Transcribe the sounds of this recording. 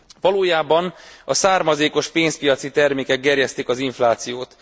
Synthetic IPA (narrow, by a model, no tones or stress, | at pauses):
ʋɒloːjaːbɒnɒsaːrmɒzeːkoʃpeːnspijɒt̪sit̪ɛrmeːkɛɡ̚ɡɛrjɛst̪ikɒziɱflaːt̪sijoːt̪